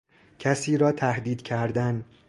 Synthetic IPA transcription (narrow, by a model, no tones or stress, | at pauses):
cʰæsiːɾɒːt̪ʰæhd̪iːd̪cʰæɾd̪æn